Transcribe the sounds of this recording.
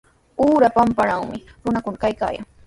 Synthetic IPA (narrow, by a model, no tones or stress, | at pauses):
uːɾapampaɾaŋmɪɾʊnakʊnakajka̰ːja̰ŋ